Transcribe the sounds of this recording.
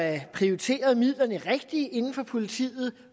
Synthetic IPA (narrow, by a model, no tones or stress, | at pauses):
æpʰʁioʁit͡sʰe̝̰ːɐð̞ˠmið̰ˠlɐnəʁeɡ̥̚d̥iʔe̝nn̩fɒ̽pʰo̝lit͡sʰḭːð̩ˠ